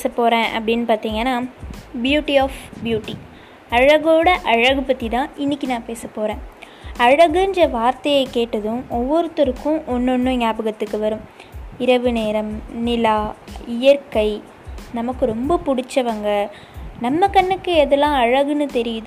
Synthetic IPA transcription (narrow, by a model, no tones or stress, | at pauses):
esɐpːoːɾẽːʔɐ̰pːɐɽɪnːɯpaːɾt̪iːŋɡɐnːaːbjuːʈiaːfbjuːʈːi | ɐɻɐɣoːɽɐʔɐɻɐɣɯpɐt̪ːit̪ãːɪnːɪkːinãːpeːsɐpːoːɾẽː | ɐɻɐɣɯɲd͡ʒɐʋaːɾt̪ɐjɐkeːʈːɐðɯ̃ɔʋːɔɾɯt̪ɔɾɯkːʊ̃ʔɔnːɔnːɯ̃ɲaːbɯɣɐt̪ːɯkːɯʋɐɾɯ̃m | ɪɾɐʋɯneːɾɐmnɪlaːɪjɐɾkɐɪ | nɐmɐkːɯɾɔmbɐpʊɽɪt͡ʃːɐʋɐŋɡɐ | nɐmːɐkɐɳːɯkːɯɛðɛlːãːɐɻɐɣɯnɯt̪ɛɾɪjɯðɯ̃